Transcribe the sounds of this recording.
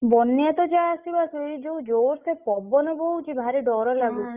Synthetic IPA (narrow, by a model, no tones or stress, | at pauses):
bɔnːjat̪ɔd͡ʒaːsibaseid͡ʒowd͡ʒoɾsepɔbɔneboɦut͡ʃʰibʱaɾiɖɔɾɔlaɡu